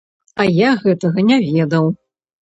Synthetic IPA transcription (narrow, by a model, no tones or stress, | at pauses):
ɐjaɣɛt̪ɐɣɐnʲavʲɛd̪ɐw